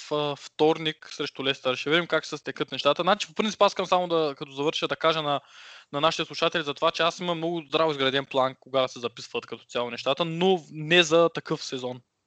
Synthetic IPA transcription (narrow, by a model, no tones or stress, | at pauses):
fəft̪ɔɾniksɾɛʃt̪ʊlɛst̪əɾʃɛvid̪imkaksɛst̪ɛkɤt̪nɛʃt̪at̪ənat͡ʃi̥fopɾint̪ipasikɐmsamod̪ɐkɐt̪ɔzɐvɤɾʃɐd̪ɐkaʒənɐnɐnaʃi̥t̪ɛslˠuʃat̪ɛlizɐt̪ovat͡ʃɛasimɐmnɔɡʊzd̪ɾavizɡɾɐd̪ɛnplˠankoɡad̪sɛzɐpi̥svət̪kɐt̪ɔt̪sʲalˠonɛʃt̪at̪ənonɛzɐt̪ɐkɤfsɛzɔn